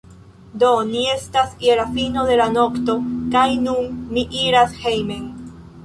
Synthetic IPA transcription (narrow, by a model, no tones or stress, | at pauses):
d̪onie̞st̪asielafinoðe̞lanokt̪okajnũŋmiʔiɾashejmeŋ